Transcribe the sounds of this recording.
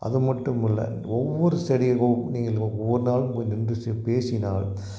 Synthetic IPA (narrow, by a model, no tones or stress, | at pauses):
ʔɐ̰ðɯmɐʈːɯmɪlːɐ̰ | ɔʋːɔɾɯsɐɽɪɐɣɐmniːŋɡɐɭɔʋːɐɾɯnaːlɯmkɔnɪndɯsepeːsɪnaːɭ